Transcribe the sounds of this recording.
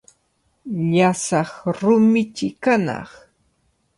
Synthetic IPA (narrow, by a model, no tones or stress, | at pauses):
ʎasɑχɾʊmɪt͡ʃɪkanɑ̰χ